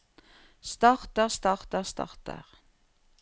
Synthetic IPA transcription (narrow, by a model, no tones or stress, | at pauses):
stɑχt̪əʁst̪ɑχt̪əʁstɑ̰χt̪ə̰ʁ